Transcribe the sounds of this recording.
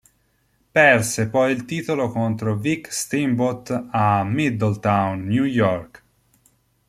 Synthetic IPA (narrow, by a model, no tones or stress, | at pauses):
pɛrsepɔjilt̪iːt̪olokont̪ɾovikst̪imbot̪amid̪əlt̪awnːjujɔɾk